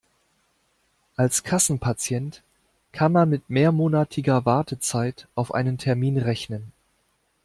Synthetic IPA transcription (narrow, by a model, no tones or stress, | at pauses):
ʔalskʰasn̩pʰat͡sjɛnt | kʰanmanmɪtmeːɐmoːnatʰɪɡɐvaɐtʰət͡saɪtʔaʊfʔa̰ɪnəntʰɛɐmiːnʁɛçnən